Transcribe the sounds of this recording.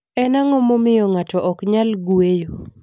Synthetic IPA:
ɛnaŋɔmomɪjɔŋatɔʔɔkɲalɡuejo

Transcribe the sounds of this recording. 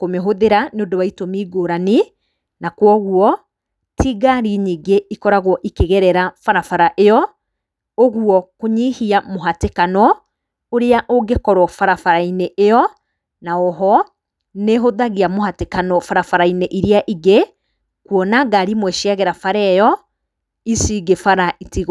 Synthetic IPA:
komeɦoðeɾaneodowaitomiːɡoɾani | nakwɔɣwɔ | tʰiɡaɾiɲiːɡeikɔɾaɣwɔʔikeɣɛɾɛɾafaɾafaɾaʔejɔ | oɣuɔkoɲihiamoɦatekanɔ | oɾeaʔoɡekɔɾwɔfaɾafaɾaineʔejɔ | naɔɦɔ | neɦoðaɣiamoɦatekanɔfaɾafaɾaineʔiɾiaʔiɡe | kwɔnaɡaɾimwɛʃiaɣɛɾafaɾɛjɔ | isiɡefaɾaitiɣ

